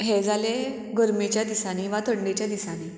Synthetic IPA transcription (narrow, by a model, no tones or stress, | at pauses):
ɦed͡zale | ɡəɾmet͡ɕjad̪isaɽ̃iʋat̪ʰəɳɖet͡ɕjad̪isañi